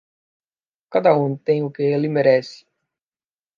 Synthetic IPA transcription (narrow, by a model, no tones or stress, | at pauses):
kad̪ɐũt̪ẽj̃ʊkɪelɪmeɾɛsɪ̥